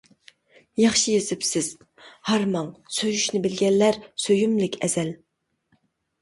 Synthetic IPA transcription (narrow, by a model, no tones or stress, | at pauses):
jɑχʃijezɪpsɪz̥ | hɑɾmɑŋsøjyʃnɪbɪlɡʲɛnːæɾsøjymlɪkʲʰɛz̥ɛl